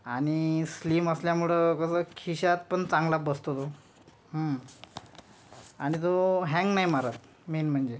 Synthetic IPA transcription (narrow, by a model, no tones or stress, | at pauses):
aɽ̃isliːməsljamuɭəkəsəːkʰiɕat̪pəɳt͡sãŋɡlabəst̪ot̪o | ɦə | aɽ̃it̪oɦɛ̃ŋɡnajmaɾat̪ | menm̤əɳd͡ze